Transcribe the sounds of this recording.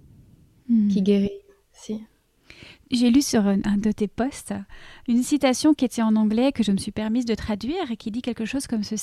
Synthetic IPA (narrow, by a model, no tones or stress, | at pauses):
kʲiɡʲeʁi | si | ʒelysyʁɛ̃d̪ət̪epɔst̪ynsit̪asjɔ̃kʲiet̪ɛɑ̃nɑ̃ɡlɛkəʒəməsɥipɛʁmizd̪ət̪χad̪ɥiːʁekʲid̪ikʲɛlkəʃoz̥kɔmsəs